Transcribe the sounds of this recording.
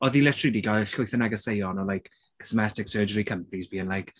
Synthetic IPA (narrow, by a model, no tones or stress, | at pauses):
ɔðilɛtʰridiːɡajɬʊɨθənaɡəsejɔnɔlajk | kʰːɪ̥smɛtɪksɜːd͡ʒəɾikʰəmpnisbiːənlajk